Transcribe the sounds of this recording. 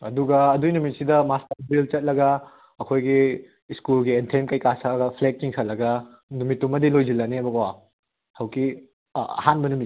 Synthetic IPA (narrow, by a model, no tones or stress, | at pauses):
ɐduɡɐːdujnumit̚sidɐmastɐɾbilt͡ʃɐt̚lɐɡɐ | ɐkʰojɡi | skulɡientʰemkɐjkasɐɡɐpʰlek̚t͡ʃiŋsʰɐlːɐɡɐ | numitːumːɐdilojd͡ʒilːɐneɐbɐkwa | hɐwki | ɐ̰hanbɐnumit